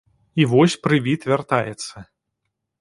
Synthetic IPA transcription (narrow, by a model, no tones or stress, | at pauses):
ivɔsʲpɾɨvʲit̪vʲart̪ajɛt̪sːɐ